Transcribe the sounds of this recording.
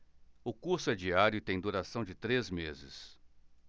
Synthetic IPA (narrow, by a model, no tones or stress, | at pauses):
ʊkuɾsʊɛd͡ʒiaɾjʊt̪ẽj̃d̪uɾasɐ̃w̃d͡ʒɪt̪ɾezmezɪ̰s